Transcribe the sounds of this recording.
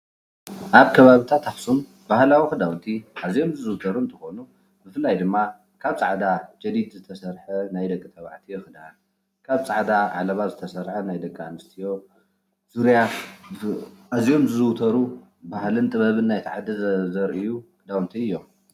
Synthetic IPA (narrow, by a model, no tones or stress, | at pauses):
ʔaβkʰɐβaβit̪ʰat̪ʰafsum | bahlawixɨd̪awnt̪ʰiʔazijo̞mzɨzɨwt̪ʰɐɾuɨnt̪ʰɐxo̞nu | bɨfɨlːajd̪ɨmːa | kʰaβt͡sʼaʕd̪ad͡ʒɐd̪id̪zɨt̪ʰɐsɐɾħɐnajd̪ɐkʼːit̪ʰɐβa̰ʕt̪ʰijɛxɨd̪an | kʰaβt͡sʼaʕd̪aʕa̰lɐβazɨt̪ʰɐsɐɾħɐnajd̪ɐkʼːaʕanɨst̪ʰijo̞ | z̥uɾja | ʔazijo̞mzɨzɨwt̪ʰɐɾu | bahlɨnt̪ʼɨβɐβɨnːajt̪ʰaʕad̪izɐɾʔijukɨd̪awnt̪ʰiɨjːo̞m